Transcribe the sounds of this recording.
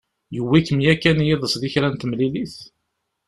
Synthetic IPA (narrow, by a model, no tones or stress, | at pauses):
juwːikːəmjækːænjɪðˤəsðiçɾænt̪əmliliθ